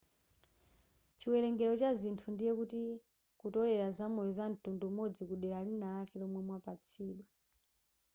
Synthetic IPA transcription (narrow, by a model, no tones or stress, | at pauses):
t͡ʃiwɛlɛŋɡɛɾɔt͡ʃazintʰundijɛkuti | kutɔlɛɾazamɔjɔzan̩tundumɔd͡zikuɗɛɾalinalakɛlɔmwɛmwapat͡sʰiːɗwa